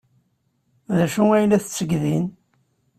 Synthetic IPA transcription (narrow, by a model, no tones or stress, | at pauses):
ðæʃuæjlæθət͡sːəɡðin